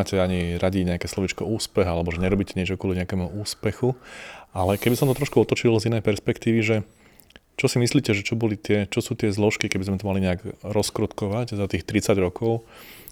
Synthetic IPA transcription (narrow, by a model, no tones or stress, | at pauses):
acɛaɲiɾaɟiɲɛakɛːslɔʋit͡ʃkɔuːspɛɦalɛbɔʒɛɲɛɾɔbiːcɛɲɪɛt͡ʃɔkʊɔliɲɛakɛːmuʔuːspɛxuʔalɛkɛbisɔmt̪ɔt̪ɾɔʃkuɔt̪ɔt͡ʃilzinɛjpɛɾspɛkt̪iːʋiʒɛ | t͡ʃɔsimisliːcɛʒɛt͡ʃɔbɔlit̪ɪɛt͡ʃɔsuːt̪ɪɛzlɔʃkikɛɟbizmɛt̪ɔmaliɲɛaɡɾɔskɾɔt̪kɔʋaczat̪iːxt̪ɾit͡saɟɾɔkʰɔʊ